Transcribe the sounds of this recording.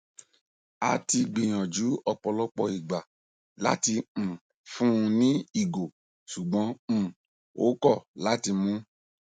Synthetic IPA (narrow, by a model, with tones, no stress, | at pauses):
a˧ti˧ɡ͡bĩ˨j̃ɔ̃˨d͡ʒu˨˦ɔ˧k͡pɔ˧lɔ˦k͡pɔ˧i˨ɡ͡ba˨ | la̰˦tĩ˧˨ | fũ˦˧nĩ˦i˦˨ɡo˨ | ʃu˨ɡ͡bɔ̃˨˦˨ | o˨˦kɔ˦˨la˨˦ti˧mũ˦